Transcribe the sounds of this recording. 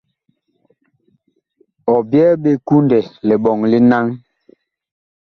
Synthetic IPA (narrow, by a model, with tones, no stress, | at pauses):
ɔ˨bjɛː˦ɓe˦ku˦ndɛ˨lɛ˨ɓɔ˨ŋli˦na˦ŋ